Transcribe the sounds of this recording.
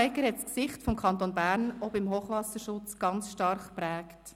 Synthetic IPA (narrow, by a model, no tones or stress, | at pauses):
ɪkəɾhɛtsksɪχtfɔmkʰɑnt̪onbæːɾnɔbɪmɦoːχʋɑsəɾʃʊt͡sɡ̥ɑnt͡sʃtɑɾχpɾɛːkt